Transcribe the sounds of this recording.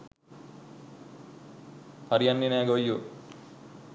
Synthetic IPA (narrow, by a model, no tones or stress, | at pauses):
pɐɾijɐnːinæːɡojːu